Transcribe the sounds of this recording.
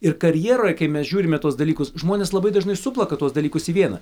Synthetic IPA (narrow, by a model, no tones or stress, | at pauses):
ɪɾkɐɾʲjiɛɾoːjɛkɐɪmʲɛsʒʲuːɾʲɪmʲɛt̪uɔsd̪ɐlʲiːkʊsʒmoːnʲeːslˠɐbɐɪd̪ɐʒnɐɪsʊplˠɐkɐt̪uɔsd̪ɐlʲiːkʊsiːʋʲiɛnɐ̰